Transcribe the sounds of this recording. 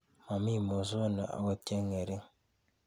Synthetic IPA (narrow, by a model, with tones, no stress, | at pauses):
ma˨mi˦˨mo˨zo˦nə̰˨a̰˨ɡɔ˦tɛ˦ŋɛ˨ɾi˦ŋ